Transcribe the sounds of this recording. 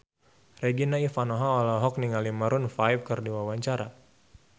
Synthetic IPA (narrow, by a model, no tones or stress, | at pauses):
reɡinaifanɔɦaɔlaɦɔk̚niŋalimaɾʊnfaip̚kərdiwawaɲt͡ʃaɾa